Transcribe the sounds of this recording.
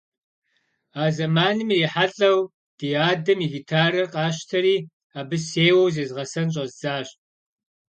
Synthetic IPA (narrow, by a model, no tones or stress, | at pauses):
aːzɐmaːnɨmeːħaɬʼɐw | d̥iaːdɐmiɣitʰaːɾɐrqʼɑːɕtʰɐɾiː | aːbɨseːwɐwzeːzʁɐsɐnɕ̬ʼɐzzaːɕʼ